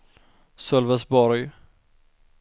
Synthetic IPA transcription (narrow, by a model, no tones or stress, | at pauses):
sœlvɛsbɔɾj